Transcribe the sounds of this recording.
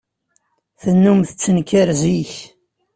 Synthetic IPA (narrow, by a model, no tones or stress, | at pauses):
θənːumθət͡sːənkəɾziç